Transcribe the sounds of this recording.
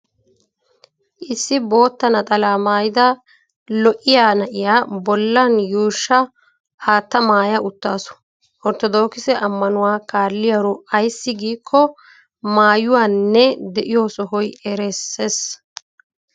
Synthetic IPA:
ʔɪsːɪbo̞ːt̪ːɐnɐt̪ʼɐlaːmaːjɪd̪ɐ | lɔʔɪjaːnɐʔɪjaːbɔlːɐnjuːʃːɐ | haːt̪ːɐmaːjɐʔʊt̪ːaːsɔ̥ | ʔɔɾt̪ɔd̪o̞ːkɪsɛʔɐmːɐnʊwaːkaːlːɪjɐɾɔɐjsːɪɡiːkʰːɔ | maːjʊwaːnːɛd̪ɛʔɪjoːsɔɦɔjɛɾesːeːs

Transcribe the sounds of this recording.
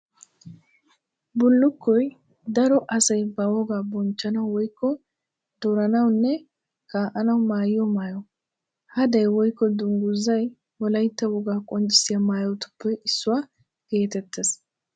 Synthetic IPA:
bʊlːʊkːɔj | d̪ɐɾɔʔɐsɐjbɐwɔɡaːbɔnt͡ʃːɐnɐwwɔjkːɔ | d̪̥ɔɾɐnɐwnːɛ | kaːʔɐnɐwmaːjɪjɔmaːjɔ | hɐd̪ɐjwɔjkːɔd̪ʊŋɡʊzːɐj | wɔlɐjt̪ːɐwɔɡaːkʼɔnt͡ʃʼːɪ̥sɪjɐmaːjɔwt̪ʊ̥pːɛʔɪsːʊwaː | ɡ̥e̞ːt̪ɛt̪ːes

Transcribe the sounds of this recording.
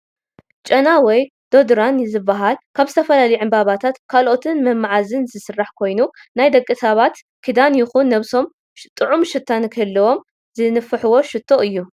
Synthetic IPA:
t͡ʃʼɐnawɔj | d̪̥o̞d̪ɾanzɨbːaɦalkʰaβzɨt̪ʰɐfɐlalɐjʕɨmbaβat̪ʰat̪kʰalʔo̞t̪ʰɨnmɐmːaʕazɨnzɨsɨrːaħkʰo̞jnunajd̪ɐkʼːɨsʰaβat̪ | kʰid̪anjɪxunːɐβso̞m | t̪ʼɨʕumʃɨt̪ʰːankʰɐlːɐwo̞m | zɨnɨfɨħɨwo̞ʃɨt̪ʰːo̞ʔɨjːu

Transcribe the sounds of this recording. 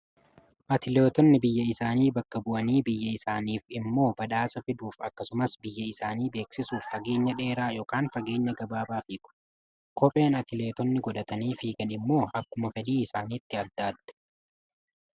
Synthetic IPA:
ʔɐt̪ɪle̞ːt̪ɔnːɪbɪjːɐɪsaːniːbɐkːɐbʊʔɐniːbɪjːɐɪsaːniːfɪmːo̞ːbɐᶑaːsɐfɪd̪uːfɐkːɐsʊmɐsbɪjːɐɪsaːniːbe̞ːksɪsuːfːɐɡe̞ːɲːɐᶑe̞ːɾaːjo̞ːkaːnfɐɡe̞ːɲːɐɡɐbaːbaːfiːkʼʊ̥ | kɔpʼe̞ːnɐt̪ɪleːt̪ɔnːɪɡɔᶑ̪ɐt̪ɐniːfiːɡɐnɪmːo̞ːʔɐkːʊmɐfɛd̪iːɪsaːniːt̪ːɪɐd̪ːaːd̪ːɛ̥

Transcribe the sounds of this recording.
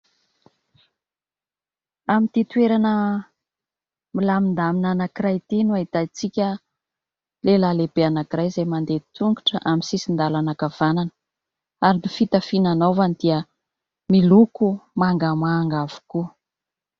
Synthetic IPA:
amint̪it̪ueɾanə | milamind̪aminanakiɾajt̪inuait̪at͡sikʲə | lelaleb̥eanakiɾajzajmand̪et̪uŋɡuʈ͡ʂəʔaminsisind̪alanakav̥ananə̥ | aɾinifit̪əfinanovanid̪̥iə | milukumaŋɡəmaŋɡav̥u̥ku

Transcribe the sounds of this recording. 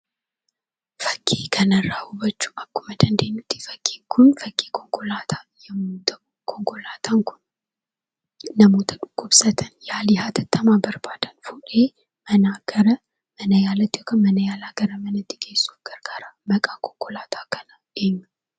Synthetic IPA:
fɐkʰʼːeːkʰɐnɐɾaːhʊbɐt͡ʃːu̥ːʔɐkːʊmɐd̪ɐnd̪eɲːʊt̪i̥fɐkʼːeːŋkʰʊnfɐkʼːekʰɔŋkʼɔlaːt̪ʰajɛmt̪ | kʰɔŋkʼɔlaːt̪ʰaŋkʰʊ̥n | nɐmoːt̪ʰɐ̥ᶑʊkʼːʊbsɐt̪ʰɐnjaːlɪhaːt̪ʰɐt̪ːɐmabɐɾbaːd̪ɐnfuːᶑeː | mɐnaɡɐɾɐ | mɐnɐjaːlɐt̪ːɪokɐmɐnɐjaːlaːɡɐɾɐmɐnɐt̪ːɪ̥ɡe̞ːsːʊɡ̥ɐɾɡaːɾamɐkʼaːkʰʼɔ̥ŋkʼɔlaːt̪ʰakʰɐnɐʔeːɲːu

